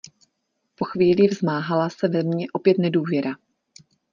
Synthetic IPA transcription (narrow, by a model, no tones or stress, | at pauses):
po̞xviːlɪvzmaːɦalasɛvɛmɲɛʔo̞pjɛt̪nɛduːvjɛɾa